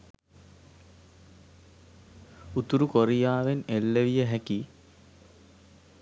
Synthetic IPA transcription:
ut̪uɾukoɾijaːʋenelːeʋijəɦæki

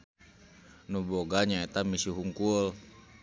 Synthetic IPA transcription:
nubɔɡaɲaɛt̪amisuɦuŋkul

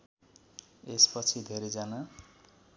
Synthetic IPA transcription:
espʌt͡sʰid̪ʱeɾed͡zana

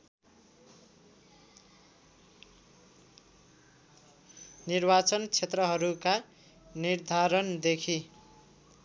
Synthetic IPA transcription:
nirbat͡sʌnkt͡sʰet̪rʌɦʌɾuka | nird̪ʱaɾʌnd̪ekʰi

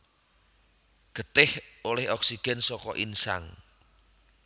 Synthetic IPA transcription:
ɡ̥ə̤t̪ɪholɛhɔksiɡ̥ɛnsɔkɔʔinsa̰ŋ

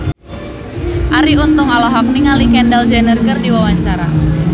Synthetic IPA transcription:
ʔaɾiunt̪ʊŋalɔɦɔk̚niŋalikɛndald͡ʒanərkərdiwawaɲt͡ʃaɾa̰

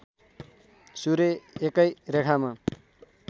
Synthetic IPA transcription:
suɾeekʌjɾekʰama

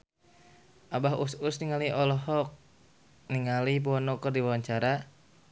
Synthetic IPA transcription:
ʔabaɦususniŋaliʔɔlɔɦɔk̚ | niŋalip̬uɔnɔkɔrdiwawaɲt͡ʃaɾa

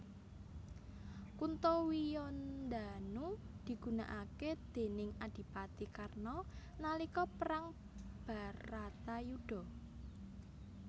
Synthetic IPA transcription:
kunt̪owijɔnd̪anud̪̥i̤ɡ̥ṳna̰ʔaked̪̥e̤nɪŋad̪̥i̤pat̪ikarnɔnalikɔpəɾaŋ | b̥a̤ɾat̪ajuɖ̥ɔ̤

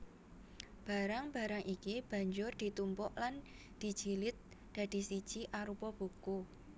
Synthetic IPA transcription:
b̥a̤ɾaŋb̥a̤ɾaŋʔikib̥a̤ɲd͡ʒʊrd̪̥i̤t̪umpɔʔlan | d̪̥i̤d̥d͡ʒ̥i̤lɪt̪̚ | d̥a̤d̪̥i̤sid̥ʒ̥iʔaɾupɔb̥ṳku

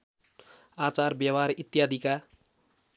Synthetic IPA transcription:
at͡sarbjabaɾit̪jad̪ʱika

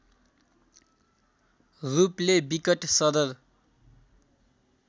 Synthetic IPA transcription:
ruplebikʌʈsʌd̪ʌr

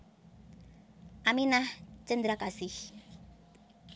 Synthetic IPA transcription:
ʔaminaht͡ʃənd̪ɾakasɪh

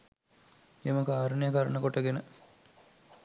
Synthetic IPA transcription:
eməkaːɾənejəkɐɾənəkoʈəɡenə

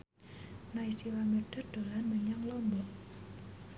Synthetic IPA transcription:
naisilamərɖ̥ərd̥o̤lanməɲaŋlɔmbɔʔ

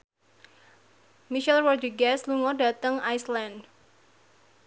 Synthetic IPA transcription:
miʃɛlwɔrd̪iɡɛsluŋɔda̤t̪əŋajsland

